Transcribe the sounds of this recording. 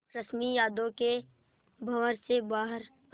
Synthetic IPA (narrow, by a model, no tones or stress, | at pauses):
ɾəsmijaːd̪õke | bʱɐʋəɾsebaːɦəɾ